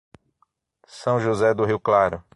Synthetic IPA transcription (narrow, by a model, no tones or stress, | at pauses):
sɐ̃w̃ʒozɛd̪ʊɦiwklaɾʊ